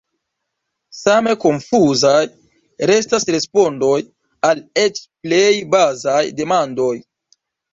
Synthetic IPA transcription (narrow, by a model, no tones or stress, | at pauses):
same̞ko̞ɱfuzaj | ɾe̞stasɾe̞spo̞ndo̞j | ale̞t͡ʃplejbazajde̞mando̞j